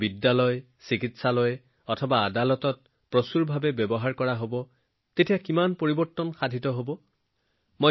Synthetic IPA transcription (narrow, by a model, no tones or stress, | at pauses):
bidːalɔj | sikitsalɔj | ɔtʰɔbaːdalɔtɔt̚ | pɹɔsuɹbʱabɛbɛbɔɦaɹkɔɹaɦobɔ | tetijakimanpoɹibɔɹtːɔnxadʱitɔɦobɔ | mo